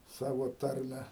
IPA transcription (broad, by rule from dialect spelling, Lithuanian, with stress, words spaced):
ˈsɑːʋoː ˈtɐrʲmʲɛ